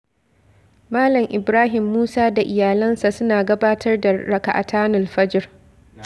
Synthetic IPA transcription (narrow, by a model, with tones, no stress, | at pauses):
maː˦lɐ˨mʔɪ˨bɾaː˦ɦɪ˨mːuː˦saː˦da˨ʔɪ˨jaː˨lɐ˦nsa˨sʊ˦naː˨ɡɐ˦baː˦tʰɐ˦rda˨ɾɐ˨ka̰˨ʔa˨tʰaː˦nʊ˨lɸɐ˦d͡ʒɪ˦˨r